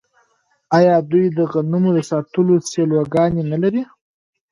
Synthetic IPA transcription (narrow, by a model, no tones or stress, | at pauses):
ɑjɑd̪ujd̪əɣanumod̪əsɑt̪əloselwaɡɑnenalaɾi